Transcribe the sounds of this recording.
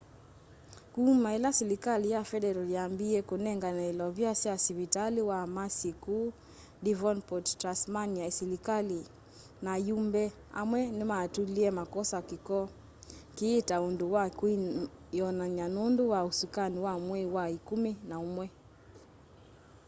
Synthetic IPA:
kumaɛlasɛlikalijafɛdɛɾɔliambiɛkunɛŋɡanailɔvjasɛasiβitaliwamasikuː | divɔnpɔttɾasmaniaisɛlikali | najumbɛ | a̰mwɛnimaːtuliɛmakɔsakikɔ | kiːtaunduwakwijɔnaɲanunduwausukaniwamwɛwaikuminaumwɛ

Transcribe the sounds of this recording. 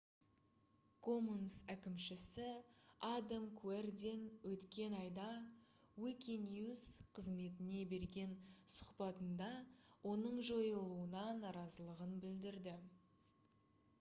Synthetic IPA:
kʰo̞munsækʲɪmʃɪsɪad̪amkʰuerd̪enwɵt̪kʲe̞nɑjd̪ɑ | wikʲinjuzqʰəzme̞t̪ɪne̞be̞ɾɡʲe̞nsʊ̥qpɑt̪ənd̪ɑwo̞nəɴʒo̞jəlˠuənɑnɑɾɑzəlˠəʁənbɪld̪ɪɾd̪ɪ

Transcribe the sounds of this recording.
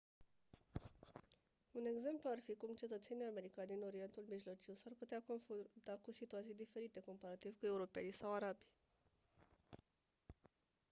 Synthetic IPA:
une̞ɡze̞mpluarfikumt͡ʃe̞t̪ət̪se̞nijame̞ɾikand̪ino̞ɾie̞nt̪ulmiʒlo̞t͡ʃiwsarput̪eakonfut̪akusit̪uat̪sijd̪ife̞ɾit̪e̞ko̞mpaɾat̪ivkue̞uɾo̞pe̞nijsawaɾabi

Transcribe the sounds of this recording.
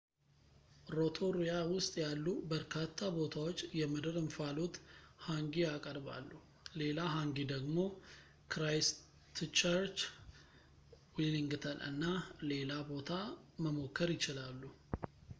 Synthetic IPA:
ɾo̞t̪ʰoɾijawʊst̪ʼjalːubəɾkʰat̪ʰːabo̞t̪ʰawot͡ʃːjɛməd̪ɨɾɨɱfalo̞t̪haŋɡiakʼəɾba̰lːu | le̞laɦaŋɡid̪əɡmo̞ | kɾajs | t̪ʰt͡ʃəɾt͡ʃ | wiliŋɡɨt̪ʰəlɨ̰nːale̞labo̞t̪ʰaməmo̞kːəɾjɪt͡ʃɪlalːu

